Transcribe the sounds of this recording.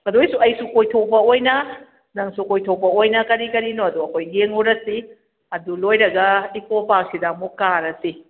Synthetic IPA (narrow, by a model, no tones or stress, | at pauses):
mɐdojsuɐjsukojtʰopɐojnɐ | nɐŋsukojtʰopɐojnɐkɐɾikɐɾinoɐduɐkʰojɡeŋoɾɐsi | ɐdulojɾɐɡɐikopak̚sidamokaɾɐsi